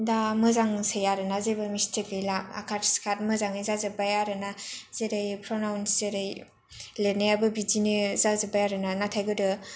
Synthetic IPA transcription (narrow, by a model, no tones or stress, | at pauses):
damɯzaŋsajaɾɯnazebɯmistʰikɯjlapa̰kʰatskʰat̚mɯzaŋnizazɯbajaɾɯnazeɾɯjpʰɾonawnzeɾɯj | lenajabɯbidinizazɯbajaɾɯnanatʰajɡɯdɯ